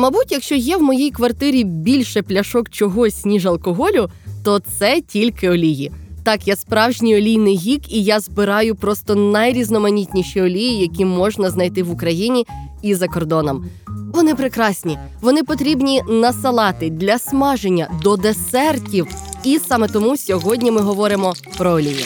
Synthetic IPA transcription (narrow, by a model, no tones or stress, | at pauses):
mɐbutʲjɐkʃt͡ʃɔjɛwmɔjijkʋɐrt̪ɪɾʲibʲilʲʃɛplʲɐʃɔkt͡ʃɔɦɔsʲnʲiʒɐlˠkɔɦɔlʲʊ | t̪ɔt̪sɛtʲilʲkɪɔlʲijit̪ɑkjaspɾɑwʒnʲijɔlʲijnɪjɦʲikijazbɪɾɑjʊpɾɔst̪ɔnɐjɾʲiznɔmɐnʲitʲnʲiʃiɔlʲijijɐkʲimɔʒnɐznɐjt̪ɪʋʊkɾɐjinʲiizɐkɔrd̪ɔnɔmʋɔnɪpɾɪkɾɑsʲnʲi | ʋɔnɪpɔt̪ɾʲibnʲinɐsɐlˠɑt̪ɪd̪ʲlʲɐsmɑʒenʲːɐd̪ɔd̪esɛrtʲiwisɑmɛt̪ɔmusʲɔɦɔdʲnʲimɪɦɔʋɔɾɪmɔ | pɾɔɔlʲijḭ